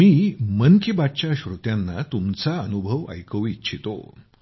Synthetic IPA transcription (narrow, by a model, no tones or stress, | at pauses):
miːmənkibat̪t͡ɕaɕɾut̪janːat̪umt͡saənubʱəʋə̰jkəʋːt̪ːt͡ɕʰit̪o̰